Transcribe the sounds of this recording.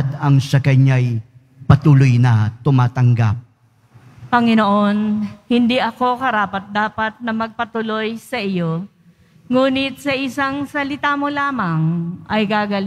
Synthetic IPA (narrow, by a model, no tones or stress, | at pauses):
d̪ɐŋsɐkajɲaj | pɐt̪uːlojnɐt̪ʊmaːt̪ɐŋɡa̰p̚ | pɐŋɪno̞ʔo̞nhɪnd̪iʔɐko̞kɐɾaːpɐt̪̚d̪aːpɐt̪̚nɐmɐɡ̚pɐt̪ʊlo̞jsɐʔɪjo̞ | ŋuːnɪt̪̚sɐʔɪsaŋsɐlɪt̪amolaːmɐŋʔɐjɡaːɡɐl